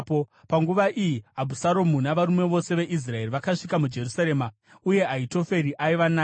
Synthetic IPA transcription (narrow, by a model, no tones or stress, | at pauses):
popaŋɡuʋaʔijiɦabʱusaɾo̞munaʋaɾumwe̞ʋo̞se̞ʋe̞ʔis̬rae̞riʋakaʂikamud͡ʒe̞rusaɾe̞ːma | uje̞aito̞fe̞ɾiʔaiʋana